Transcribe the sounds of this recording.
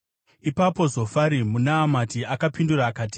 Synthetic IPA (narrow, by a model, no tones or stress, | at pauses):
ipapo̞zo̞faɾimunaːmatiakapinduraːkaːti̥